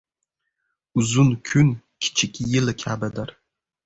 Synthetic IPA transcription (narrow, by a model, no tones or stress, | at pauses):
uzunkʲʰʊn | kʲʰt͡ʃʰɪkʲʼijɪlakʲʰabadar